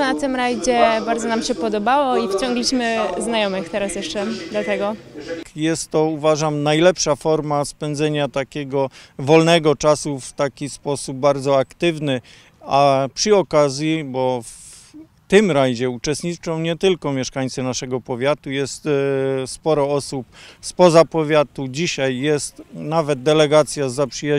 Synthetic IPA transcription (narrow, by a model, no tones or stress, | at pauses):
nat̪ɪmɾajd͡ʑɛbaɾd̪zɔnamɕɛpɔd̪ɔbawɔift͡ɕɔ̃ŋɡlʲiɕmɘznajɔmɘxt̪ɛɾasjɛʂt͡ʂɛd̪lat̪ɛɡɔjɛst̪ːɔuvaʐamnajlɛpʂafɔɾmaspɛnd̪zɛɲat̪akʲɛɡɔvɔlnɛɡɔt͡ʂasuft̪akʲispɔsub̚ːaɾd̪zɔakt̪ɘvnɘ | apʂɨɔkazʲjibɔf | t̪ɘmɾajʑɛut͡ʂɛst̪ɲit͡ʂɔ̃w̃ɲɛt̪ɘlkɔmʲjɛʂkaɲt̪sɨnaʂɛɡɔpɔvʲjat̪ujɛst̪spɔɾɔɔsupspɔzapɔvʲjat̪ud͡ʑiɕajːɛst̪navɛd̪̚d̪ɛlɛɡat̪sʲjazapʂɘja